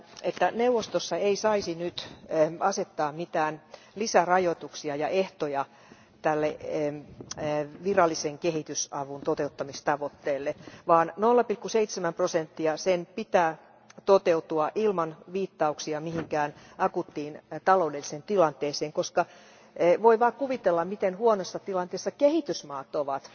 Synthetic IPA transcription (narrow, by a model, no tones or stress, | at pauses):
et̪ːænewʋost̪osːɑeisɑisinyt̪ɑset̪ːɑːmmit̪æːn | lisærɑjot̪uksiɑjɑʔeht̪ojɑ | t̪ælːe | ʋirɑlːiseŋkehit̪ysɑʋunt̪ot̪eut̪ːɑmist̪ɑʋot̪ːeːlːeʋɑːnnolːɑpilkuseit̪semæmprosent̪ːiɑsenpit̪æː | t̪ot̪eut̪uɑʔilmɑnʋiːt̪ːɑuksiɑmihiŋkæːn | ɑkut̪ːiːnt̪ɑloudelːisent̪ilɑnt̪eːseːŋkoskɑ | ʋoiʋɑːkuʋit̪elːɑmmit̪enhuonosːɑt̪ilɑnt̪eːsːɑkehit̪ysmɑːt̪oʋɑt̪